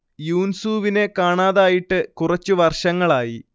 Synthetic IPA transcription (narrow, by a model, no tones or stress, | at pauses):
juːnsuːʋine̞kaːɳaːðaːjiʈːɨkurɐt͡ɕːuʋɐrʂɐŋːɐɭaːji